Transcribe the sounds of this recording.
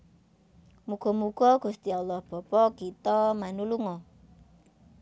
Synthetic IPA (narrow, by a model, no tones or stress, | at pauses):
muɡ̥ɔmuɡ̥ɔɡ̥ṳst̪ialːɔhb̥ɔ̤pɔkit̪ɔmanuluŋɔ